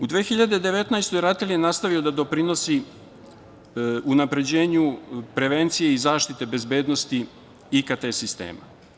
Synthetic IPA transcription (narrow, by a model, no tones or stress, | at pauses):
ud̪ʋeːxiʎad̪ed̪e̞ʋe̞t̪najst̪ojɾat̪eljenast̪aʋio̞d̪ad̪o̞pɾino̞si | unapɾe̞d͡ʑe̞ːɲupɾe̞ʋe̞nt̪sije̞izaːʃt̪it̪e̞be̞zbe̞ːd̪no̞st̪i | ikat̪esist̪ḛːma̰